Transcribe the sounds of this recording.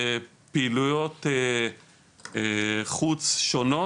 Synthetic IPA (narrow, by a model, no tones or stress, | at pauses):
piilujot̪e | χut͡sʃono